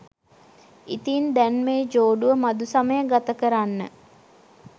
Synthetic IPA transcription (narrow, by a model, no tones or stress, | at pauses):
ḭt̪iːnd̪ænmeːd͡ʒoːɖuʋəmad̪usaməjəɡat̪əkəɾanːə